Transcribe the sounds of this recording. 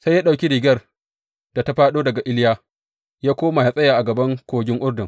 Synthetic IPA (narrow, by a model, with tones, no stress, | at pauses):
sa˦jaː˦ɗa˨wkʲi˦ɽiː˨ɡʲɐ˦r | d̥a˨ta˦ɸaː˦ɗoː˦dɐ˨ɡa˨ʔɪ˦ljaː˦ | jaː˦kʷoː˦ma˨ha˨sʼɐ˦jaː˨ʔa˨ɡɐ˨bɐ˦ŋkʷoː˨ɡʲɪ˦ŋʔʊ˦rdʊ˨ŋ